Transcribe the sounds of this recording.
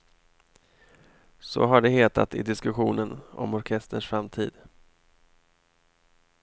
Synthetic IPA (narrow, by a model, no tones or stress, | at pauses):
sɔ̰ɦaɖɛɦeːt̪ʰa̰t̪ɪd̪ɪskɵɧuːnənɔ̰mɔɾkʰɛst̪əʂfɾamt̪ʰiːd̪